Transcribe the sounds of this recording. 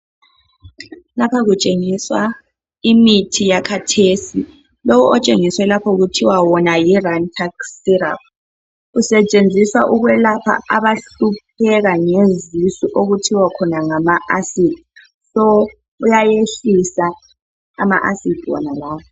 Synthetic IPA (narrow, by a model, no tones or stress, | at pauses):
lapʰaɣut͡ʃʼeŋiswa | imitʰijakʰatʰeːsi | lowuʔɔt͡ʃʼeŋiswɛlapʰɔuɣutʰiwawɔnajirantʰaksiɾa̰p̚ | usɛt͡ʃʼend͡zʱiswaʔuɣwɛlapʰa̰a̰βaɬup̚ʰɛɣaŋezisiʔoɣutʰiwakʰɔnaŋamaʔasid̥ʱi | sɔ | ujajeɬisa | ama̰ʔasid̥ʱiwɔ̰nalaːpʰɔ